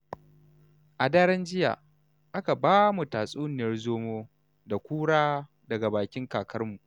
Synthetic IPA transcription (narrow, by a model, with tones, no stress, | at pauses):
ʔa˨daː˦ɽɐ˦nd͡ʒɪ˦ja̰ː˨ | ʔa˦ka˨baː˦mu˨taː˨sʼuː˦nɪ˨jɐ˦rzoː˦moː˦ | da˨kʷuː˦ɽaː˦ | dɐ˨ɡa˨baː˨kʲɪ˦ŋkaː˨kʰɐ˦rmu˨ʔ